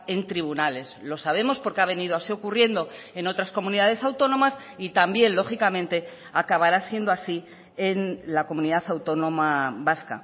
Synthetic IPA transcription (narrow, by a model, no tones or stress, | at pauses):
e̞nt̪ɾiβunale̞slo̞saβ̞e̞mo̞spo̞ɾkeaβ̞e̞nið̞oasio̞kurje̞nd̪o̞e̞no̞t̪ɾasko̞mũniðað̞e̞sawt̪o̞nõ̞mas | it̪ambje̞nlo̞xikamẽ̞nt̪e̞ | akaβaɾasje̞nd̪oasi | enlako̞mũniðaθawt̪o̞nõ̞maβaska̰